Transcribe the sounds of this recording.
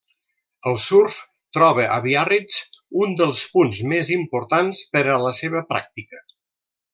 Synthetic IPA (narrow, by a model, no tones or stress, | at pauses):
əlˠsuɾf | t̪ɾɔβəʔəβiarit͡sund̪əlˠspunzmezimpuɾt̪anspəɾələseβ̞əpɾa̰k̚t̪ikə